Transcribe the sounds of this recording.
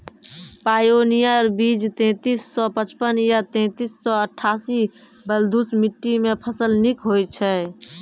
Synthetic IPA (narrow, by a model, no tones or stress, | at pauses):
paːjoːnijaɾbiːd͡ʒt̪ɛ̃ːt̪isːɔpət͡ʃpənjat̪ɛ̃ːt̪isːɔəʈʰːaːsi | bəld̪ʱusmiʈːimẽpʰəsəlnikɦojt͡ʃʰɛː